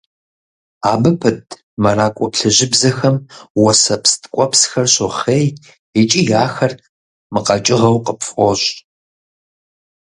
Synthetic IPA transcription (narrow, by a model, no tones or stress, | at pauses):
aːbɨpʰɨtʰ | mɐraːkʷʼɔpɬɨʑɪbzɐxɐmwɔsɐpstʰkʷʼɔpsxɐrɕʊχeːj | et͡ʃʼijaːxɐr | mɨqɐt͡ʃʼɪʁɐwqəpfχʷɔɕ